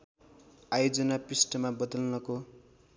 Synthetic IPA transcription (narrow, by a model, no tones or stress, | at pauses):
ajod͡zʌnapisʈʌmabʌd̪ʌlnʌko